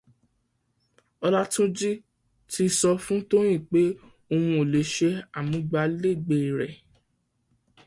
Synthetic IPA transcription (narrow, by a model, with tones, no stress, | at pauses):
ɔ˧la˦tũ˦d͡ʒi˦ | ti˧sɔ˧fũ˦to˦j̃ĩ˦˨k͡pe˦ | o˧wũ˧o˨le˨˦ʃe˧˦a˨mũ˨˦ɡ͡ba˧le˦˨ɡ͡be˧˨i˨ɾɛ̰˨